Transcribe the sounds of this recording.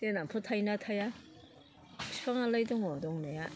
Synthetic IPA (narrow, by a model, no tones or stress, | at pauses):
denampʰɯtʰajnatʰaja | sʰi̥pʰaŋalajdɔŋɔdɔŋnaja